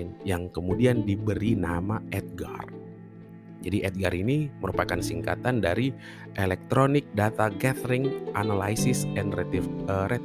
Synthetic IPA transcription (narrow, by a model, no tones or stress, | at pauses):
njaŋkəmudiandibəɾinamaɛt̪̚ɡa̰r | d͡ʒadiʔɛt̪̚ɡaɾiniməɾupakansiŋka̰t̪andaɾi | ʔelɛk̚t̪ɾonɪk̚dat̪aɡɛt̪ɾɪŋʔanala̰isɪsɛnrɛt̪əɾɛt̪